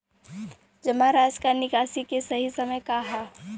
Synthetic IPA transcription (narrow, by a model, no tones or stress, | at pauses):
d͡ʒɐmaɾaːd͡ʒkaːnɪkaːsikesɐɦisɐməjkaɦa